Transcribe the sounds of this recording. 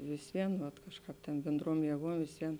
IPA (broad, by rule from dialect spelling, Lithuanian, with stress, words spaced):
ʋʲɪs ˈʋʲiɛn ʋɐt ˈkɑːʃˌkɑːp tʲeːn bʲeːnˈdruɔm jeːˈɡuɔm ʋʲɪsʲˈʋʲiɛn